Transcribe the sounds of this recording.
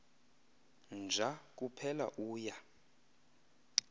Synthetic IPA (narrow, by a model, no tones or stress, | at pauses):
nd͡ʒʱak̬ʼupʰɛla̰ʔuːja